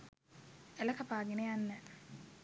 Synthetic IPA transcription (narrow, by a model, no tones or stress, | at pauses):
elɐkɐpaːɡenejanːə